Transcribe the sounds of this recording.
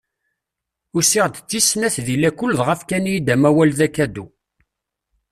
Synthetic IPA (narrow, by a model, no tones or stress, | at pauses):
ʊɾsiʁd̪t͡sːisnæθðilækʊlːðʁəfkænijid̪æmæwælðækæd̪u